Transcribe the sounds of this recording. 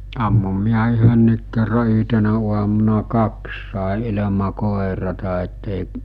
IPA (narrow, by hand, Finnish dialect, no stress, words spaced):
ɑmːum miæ yhønːiːk kerːɑ yɦtenæ uɑmunɑ kɑks sɑˑe ilemɑ koˑerɑtɑ etːeˑiʔ